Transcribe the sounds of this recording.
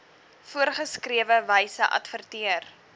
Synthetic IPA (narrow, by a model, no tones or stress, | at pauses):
fuərχəskriəvəvəjsəʔɐ̰tfərtiər